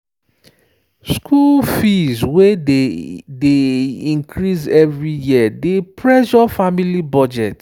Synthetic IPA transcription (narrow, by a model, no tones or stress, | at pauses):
skʰulfizwe | deĩŋkʰɾisɛvɹijiadepʰɹɛʃɔfamilibɔd͡ʒɛt